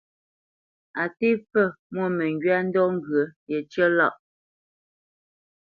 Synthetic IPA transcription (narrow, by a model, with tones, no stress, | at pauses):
a˨te˦p͡fə˦˨ | mwɔ˦˨mɛ˨ŋɡɥa˦n̩˦dɔ˦ŋ̩˦ɡɰə˨˦jɛ˨t͡ʃə˦lɔ̰˦˨ʔ